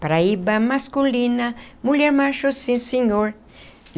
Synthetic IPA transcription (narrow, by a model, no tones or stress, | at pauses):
paɾaibamaskulinamuʎjeɾmaʃosĩseɲoɾ